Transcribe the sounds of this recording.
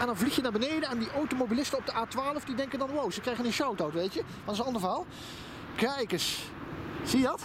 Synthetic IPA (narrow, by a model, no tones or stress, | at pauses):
ɛndɑnvliχjənaːɹbənejdənɛndiʔowtomowbilɪstənɔb̚dəʔaːtʋaːləvdidɛŋkəndɑnwowzəkrɛjχənənʃawtowtʋejtjə | fɑnsənɑndəvaːlˠ | kɛjkəs | z̥ijədɑt